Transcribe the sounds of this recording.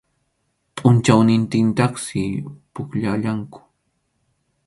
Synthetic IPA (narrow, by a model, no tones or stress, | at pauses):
pʼʊnt͡ʃawnɪnt̪ɪnt̪ɑχsɪpʊkʎaʎaŋkʊ̥